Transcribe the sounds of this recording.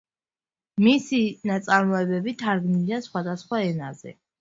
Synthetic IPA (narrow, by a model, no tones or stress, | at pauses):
misinat̪sʼaɾmɔɛbɛbit̪ʰaɾɡniliasχwad̪asχwaɛnazɛ̰